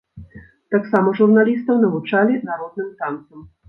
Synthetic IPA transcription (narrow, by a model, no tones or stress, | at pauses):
t̪aksaːmɔʒuɾnalist̪ɔwnavɔt͡ʃaːlinaɾod̪nɛmt̪ant̪sɔm